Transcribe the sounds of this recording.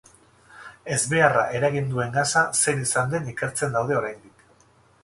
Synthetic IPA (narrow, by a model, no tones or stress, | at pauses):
e̞zβe̞ara̰ʔe̞ɾaɣ̞ind̪ue̞ŋɡasase̞nisand̪e̞nike̞ɾt͡se̞nd̪awð̞e̞o̞ɾajnd̪ik